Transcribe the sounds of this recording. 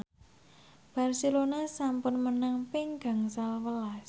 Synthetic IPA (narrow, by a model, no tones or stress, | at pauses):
b̥a̤rselonasampʊnmənaŋpɪŋɡ̥a̤ŋsalwəlas